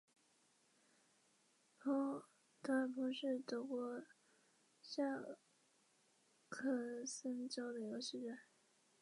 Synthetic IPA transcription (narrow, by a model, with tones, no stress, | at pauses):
pʰɔ˥ | t̪ʰa˥˩pʰɔ˧˥ʂɻ̩˥˩t̪ɤ˧˥kwɔ˥ | ɕja˥˩ | kʰɤ˥˩sə˥ŋt͡ɕjo˥ʊd̪ə˨jo˧˥ʊɕi˥˧ʈ͡ʂə˥˩n